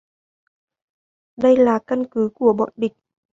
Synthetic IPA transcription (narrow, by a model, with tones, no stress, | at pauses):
ɗə˧jlaː˨˩kə˧nkɨ˨˦ku˧˩əɓɔ̰˧˨nɓï˨˩k̚